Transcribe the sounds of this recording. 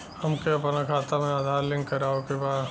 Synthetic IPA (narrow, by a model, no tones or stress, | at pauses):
hɐmkeɐpnakʰaːt̪amẽaːd̪ʱaːɾlɪ̃ŋkɐɾaːokebaːd̪